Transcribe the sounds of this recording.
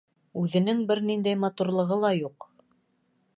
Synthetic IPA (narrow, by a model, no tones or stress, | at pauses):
ʉðɘ̆nɘŋbɘɾnind̪æjmɑt̪uɾlˠɤ̆ʁɤlˠɑjuq